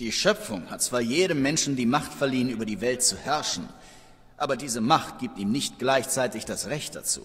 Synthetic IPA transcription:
d̥iːʃœp͡fʊ̰ŋhat̚t͡sv̥aːɐjeːɾəmːɛnʃn̩diːmaχtfɛɐliːənʔyːbɐdiːvɛlt̚t͡suhɛɐʃn̩ | ʔaːbɐdiːzəmaχt̚ɡ̥iːp̚tiːmnɪçtɡ̥laɪçt͡saɪtɪçd̥asʁɛçt̚d̥a̰t͡sṵː

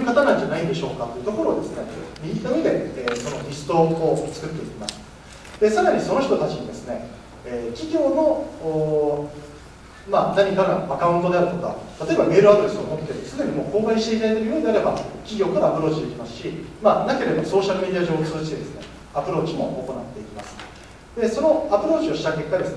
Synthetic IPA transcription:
ojɯ̟kat̪anãɲ̟d͡ʑanaid̪e̞ɕo̞ːkat̪ːo̞jiɯ̟t̪o̞ko̞ɾo̞ːd̪e̞sɨne̞mʲiɡʲit̪amʲid̪e̞eːso̞no̞ɾʲisɨ̥t̪o̞ːt͡sɨ̥kɯ̟t̪ːe̞ikʲimasɨ̥ | d̪̥e̞saɾaɲ̟iso̞no̞ç̬ʲit̪o̞t̪at͡ɕiɲ̟id̪e̞sɨ̥ne̞ | eːkʲiɡʲo̞ːno̞ː | manaɲ̟ikaɡaakaɯ̃nt̪o̞d̪e̞aɾɯ̟t̪oka̰t̪at̪o̞ebame̞ːɾɯad̪o̞ɾe̞sɨomo̞t̪ːeeɾt͡sɨd̪e̞ɲ̟imo̞ːko̞ːkaiɕi̥t̪eit̪ait̪eɾɯjoːɲ̟d̪eaɾe̞bakʲiɡʲo̞ːkaɾaːpɯɾo̞ːt͡ɕid̪e̞ikʲimasɨ̥ɕimaːnake̞ɾe̞d̪aso̞ːɕaɾɯ̟mʲe̞d̪ʲiaʑo̞ːt͡sɨzɨkʲi̥t̪e̞d̪e̞sɨne̞̰ | apɯ̟ɾo̞ːt͡ɕimo̞̰ʔːko̞nat̪ːe̞ikʲimasɨ̥ | d̪̥e̞so̞no̞apɯ̟ɾo̞ːt͡ɕio̞ɕi̥t̪ake̞kːad̪e̞sɨne

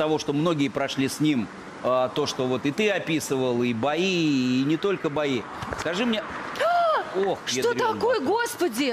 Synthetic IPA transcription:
t̪ɐvo̞ʂt̪o̞mno̞ɡʲɪjəpɾɐʂlʲisʲnʲim | at̪o̞ʂt̪o̞vo̞t̪ɨt̪ɨɐpʲisɨvəlˠibɐiːnʲɪt̪o̞lʲkəbɐi | skɐʐɨmnʲe | oxʂjet̪ot̪ɐkojəɡo̞spədʲɪ

